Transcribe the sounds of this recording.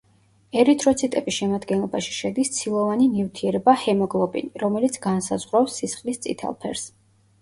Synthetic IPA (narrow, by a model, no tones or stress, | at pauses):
ɛɾit̪ʰʼɾɔt̪sʰit̪ʼɛbisʃɛmad̪ɡɛnlˠɔbaʃi̥ʃɛd̪ist̪sʰilˠɔvaninivt̪ʰiɛɾɛbahɛmɔɡlˠɔbḭniɾɔmɛlit̪sʰɡansazʁɾasːisχlist̪sʼḭt̪ʰɛ̰lˠpʰɛ̰ɾs